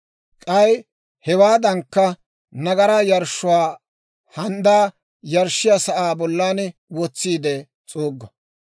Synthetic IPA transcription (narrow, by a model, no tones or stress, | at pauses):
kʼɐj | hɛwaːd̪ɐŋkːɐ | nɐɡɐɾɐjɐɾʃʊwaː | hɐnd̪aː | jɐɾʃːɪjɐsɐʔaːbɔlːaːnwɔt͡sːiːd̪ɛ | t͡sʼoːɡːɐ